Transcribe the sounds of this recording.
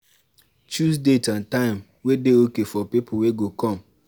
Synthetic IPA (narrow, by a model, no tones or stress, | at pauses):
t͡ʃusdetãntãɪ̃m | wedeokefɔpipʰʊweɡokɔ̃m